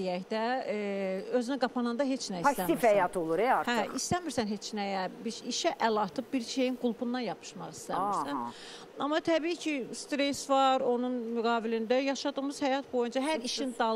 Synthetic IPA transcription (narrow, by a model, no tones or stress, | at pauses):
ijæçd̪æ | ø̞zynæɡɑpʰɑnɑnd̪ɑɦe̞t͡ʃnæist̪æmifhæjɑt̪ʰolˠuɾeɑɾhæist̪æmiɾsænɦe̞t͡ʃnæjæbiʃiʃæʔælɑt̪ʰɯb̚biɾʃe̞jinɡulˠbund̪ɑnjɑpʰɯ̥ʃmɑʁist̪æmiɾsæn | ɑmːɑt̪ʰæbiːcʰist̪ɾesvɑɾo̞nunmyɡɑːvilind̪æjɑʃɑd̪ɯʁmɯz̥hæjɑt̪̚bo̞jund͡ʒɑɦæɾiʃind̪ɑ